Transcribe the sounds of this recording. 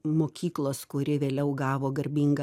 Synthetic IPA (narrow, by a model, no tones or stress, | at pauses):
moːkʲiːklˠoːskʊɾʲɪʋʲeːlʲɛʊɡɑːʋoːɡɐɾʲbʲiːŋɡɐ